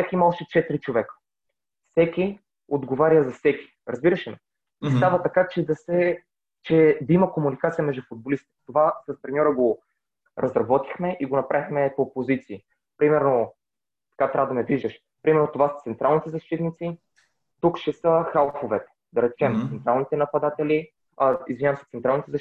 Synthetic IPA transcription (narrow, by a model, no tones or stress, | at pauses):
t̪akimaɔʃɛt͡ʃɛt̪iɾit͡ʃovɛkə̥ | fsɛkʲi | od̪ɡovaɾjəzɐfsɛkʲi̥ | ɾɐzbiɾəʃɛmɛ | nɛst̪avət̪ɐkat͡ʃɛd̪ɐsɛ | t͡ʃɛd̪ɐimɐkomunikat̪sijəmɛʒd̪ufʊd̪̚bolist̪i̥t̪ovasɐspɾɛnʲɔɾəɡo | ɾɐzɾɐbɔt̪ixmɛʔiɡonɐpɾʔaixmɛpopozit̪siː | pɾimɛɾno | t̪ɐ̥kat̪ɾʲavəd̪ɐmɛviʒəʃ | pɾimɛɾnot̪ovasə̥t̪sɛnt̪ɾalˠnit̪ɛzɐʃt̪it̪nit̪si | t̪ukʃɛsəxalˠxovɛt̪ɛ̥ | d̪ɐɾɛt͡ʃɛmt̪sɛnt̪ɾalˠnit̪ɛnɐpɐd̪at̪ɛli | aḭzvinʲavɐmsɛ̥t̪sɛnt̪ɾalˠnit̪ɛzɐ